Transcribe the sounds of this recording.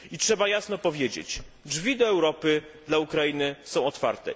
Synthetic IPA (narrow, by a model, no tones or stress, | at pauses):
itʂɛbajasnɔpɔvʲjed͡ʑḛt͡ɕd͡ʐvʲid̪ɔɛwɾɔpɘ | d̪laukɾainɘsɔ̃w̃ɔt̪fa̰ɾt̪ɛ̰